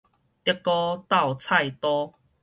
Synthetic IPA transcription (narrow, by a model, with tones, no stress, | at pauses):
t̪i˥kːɔ˦t̪a˥˨wt͡sʰa˥˧jt̪ɔ˦